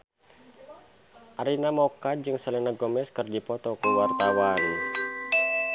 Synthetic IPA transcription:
ʔaɾinamɔkad͡ʒɨŋsəlɛnaɡomɛskɨrdipɔt̪ɔkuwart̪awan

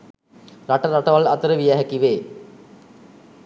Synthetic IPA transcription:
raʈəɾaʈəʋalɐt̪əɾəʋijæɦækiʋeː

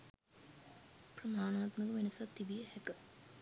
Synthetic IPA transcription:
prɐmaːnaːt̪məkəmenɐsɐt̪ːibijəhɛkə

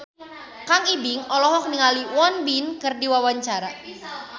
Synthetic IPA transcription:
kaŋibiŋɔlɔɦɔk̚niŋaliwɔnbinkɨrdiwawaɲt͡ʃaɾa

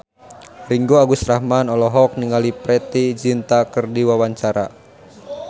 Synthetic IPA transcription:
riŋɡoaɡusɾahmanɔlɔɦɔk̚niŋalipɾɛt̪id͡ʒint̪akɨrdiwawaɲt͡ʃaɾa

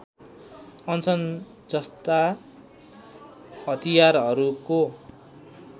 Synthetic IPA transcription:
ʌnt͡sʰʌn | d͡zʌst̪a | ɦʌt̪ijarɦʌɾuko

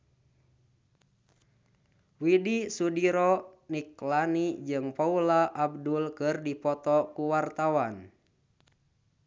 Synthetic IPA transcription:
widisudiɾɔniklanid͡ʒɨŋpaulaʔːb̚dulkɨrdipɔt̪ɔkuwart̪awan

